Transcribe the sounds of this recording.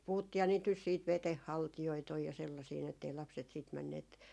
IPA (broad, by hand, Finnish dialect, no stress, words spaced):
puhutːiːhɑ niːt nys siːt ʋeteh hɑltijoit oj jɑ selːɑsiː ni etːei lɑpset siːt mænːeːt